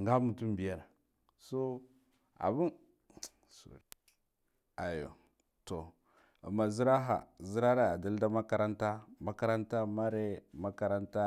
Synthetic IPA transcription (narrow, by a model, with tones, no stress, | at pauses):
ŋɡa˦mu˨tu˦mbi˨ja˦ɾa˨ | so˦ | a̰˨bi˦n | so̰˨ | a˨jo̰˨ | to˨ | a̰˨mːa˨zi˦ɾa˦ɦa̰˨zi˦ɾa˦ɾe˦a˨da˦lda˦ma˦ka˨ɾa˦nta˦ma˦ka˦ɾa˦nta˦ma˦ɾe˦ma˦ka˨ɾa˦nta˦